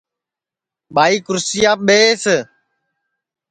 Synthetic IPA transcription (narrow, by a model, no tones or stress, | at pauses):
ɓaːiːkʊɾsiːaːɓeːse